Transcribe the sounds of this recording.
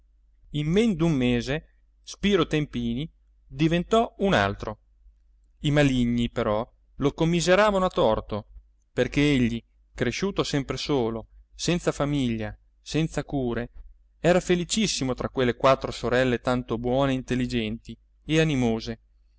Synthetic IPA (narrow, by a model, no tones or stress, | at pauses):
imːend̪umːeːze | spiːɾot̪empiːni | d̪ivent̪ɔuna̰lt̪ɾo | imaliɲːipeɾɔ | lokomːizeɾaːvanoat̪ːɔrt̪o | perkeeʎːi | kɾeʃuːt̪osɛmpɾesoːlosɛnt̪safamiʎːa | sɛnt̪sakuːɾe | ɛːɾafelit͡ʃisːimot̪ɾʔakwelːekwat̪ːɾosoɾɛlːet̪ant̪obwɔːneint̪elːid͡ʒɛnt̪i | eanimoːze